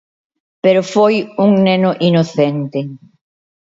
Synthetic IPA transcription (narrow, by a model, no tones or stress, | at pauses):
peɾofojuŋnenʊʔinoθent̪ɪ